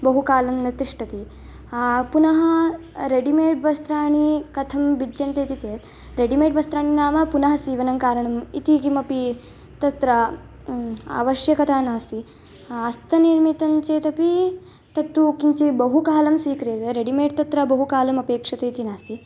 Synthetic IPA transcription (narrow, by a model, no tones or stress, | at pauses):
bɐɦukaːlɐmnit̪iʂʈɐt̪i | punɐɦɐ | ɾeɖimeːʈʋɐst̪ɾaːɳ̃ikɐt̪ʰɐmbidjɐnt̪et̪it͡seːt̪ | ɾeɖimeːʈʋɐst̪ɾaːɳinaːmɐpunɐɦɐsiːʋɐnɐmkaːɾɐɳɐmḭt̪ikimɐpi | t̪ɐt̪ɾɐ | a̰ʋɐʃjɐkɐt̪ʰaːnaːst̪i | ɐst̪ɐniɾmit̪ɐɲt͡ɕeːt̪ɐpi | t̪ɐt̪ʋukiɲt͡ɕibɐɦukaːlɐmsʋiːkɾeːt̪eɾeɽimeːʈ̚t̪ɐt̪ɾɐbɐɦukaːlɐmɐpeːkʂɐt̪ɐit̪inaːst̪i